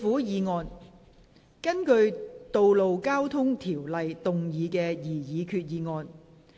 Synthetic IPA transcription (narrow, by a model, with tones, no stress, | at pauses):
fuː˨˥jiː˨˧ŋɔː˧n | kɐ˥nkɵ˧ɥt̪o˨˧wlo˨wkaː˥wt̪ʰʊ˥ŋt̪ʰiː˨˩wlɐ˨jt̪ʊ˨ŋjiː˨˧kɛː˧jiː˨˩jiː˨˧kʰyː˧t̚jiː˨˧ŋɔː˧n